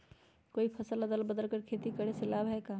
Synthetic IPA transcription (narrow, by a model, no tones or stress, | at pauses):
koːipʰɐsələd̪əlbəd̪əlkəɾkʰeːt̪ikəɽesɪlaːbɦɛkaː